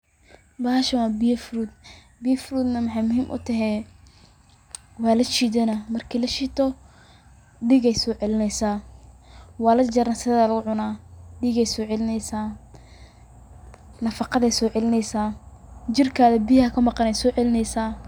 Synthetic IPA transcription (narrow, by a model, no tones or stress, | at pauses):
baːʃɐwaːbijɐfʊɾuːd̪̚ | bijɐfɾuːd̪nɐmɐħɑjmʊɦḭːmʔʊ̰t̪ʰɐɦɛ | wɑːlɐt͡ʃiːðɛnɐmɐrkʰiːlɐʃiːt̪ʰɔ | ɖiːɡɛjsɔːʕɛlɪnɛjsaː | wɑːlɐd͡ʒɐɾɐnsɪðaːlɐɣʊʕʊnaːɖiːɣɛjsɔːʕɛlɪnɛjsaː | nɐfɑqɑðɛjsɔːʕɛlɪnɛjsaːd͡ʒɪrkʰaːðɐbijhɐkʰɐmɑqɑnɛjsɔːʕɛlɪnɛjsaː